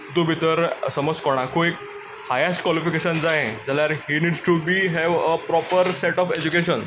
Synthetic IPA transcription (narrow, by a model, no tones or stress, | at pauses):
t̪obʱit̪əɾsəməd͡zkɔɽ̃akoek | hajesʈkwɔlifikeɕənd͡zaẽd͡zaljaɾɦiniɖsʈubiːɦɛʋəpɾɔpəɾseʈɔfed͡ʑukeɕən